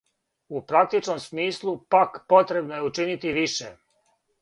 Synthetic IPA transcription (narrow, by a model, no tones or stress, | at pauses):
upɾak̚t̪it͡ʃno̞msmiːslˠupakpo̞t̪ɾe̞bnojeut͡ʃinit̪iʋiʃḛ